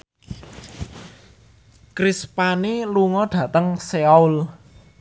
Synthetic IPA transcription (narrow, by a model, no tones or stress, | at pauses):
kɾispaniluŋɔɖ̪̥ä̤t̪əŋseaul